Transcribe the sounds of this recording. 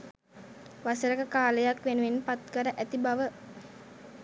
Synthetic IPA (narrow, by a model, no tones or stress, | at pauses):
ʋasəɾəkəkaːləjakʋenuʋenpat̪̚kəɾəʔæt̪ibaʋə